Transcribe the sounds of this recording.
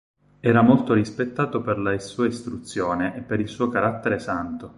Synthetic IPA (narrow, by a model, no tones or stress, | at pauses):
ɛːɾamolt̪oɾispet̪ːaːt̪operlaisuːaist̪ɾut̪sːjoːneʔepːeɾilsuːokaɾat̪ːeɾesant̪o